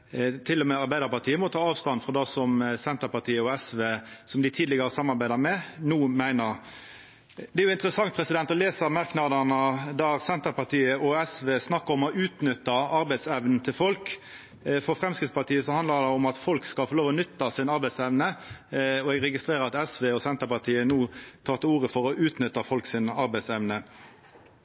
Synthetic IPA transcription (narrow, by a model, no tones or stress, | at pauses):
t̪ʰɪlːɔmɛɑɾbæɪd̪əpɑʁt̪ʰiːəmɔt̪ʰɑːɑːʋst̪ɑnfɔd̪ɑsɔmsɛnt̪əpɑʁt̪ʰiːəɔɛsʋeːsɔmd̪ɪt̪ʰiːd̪lɪɡəɾəsɑmːɑɾbæɪd̪ɑmɛnuːmæɪnəʁ | d̪ɛæɾjʊɪnt̪əɾəsɑŋt̪̚pʰɾɛsɪd̪ɛnt̪ɔleːsəɾmɑʁknɑd̪ənəd̪æʁsɛnt̪əɾpɑt̪ʰiːəʔɔɛsʋeːsnɑkːəʁɔmɔʔʉːt̪nʏt̪ːɑɑɾbæɪsɛʋnn̩t̪ʰɪlfɔlk | fɔʁfʁɛmskʁɪt̪spɑt̪ʰiːəsɔhɑnd̪ɑd̪ɛɔmɑt̪fɔlkskɑlfoːloːʋɔnʏt̪ːɑsɪnɑɾbæɪsɛʋnə | ɔɛɡʁɛɡɪst̪ɾeːʁəɾɑt̪ɛsʋeːɔsɛnt̪əpɑt̪ʰiːənuːt̪ʰɑːʁt̪ʰəuːʁəfɔʁɔʔʉːt̪nʏt̪ːɑfɔlksɪnɑɾbæɪsɛʋnə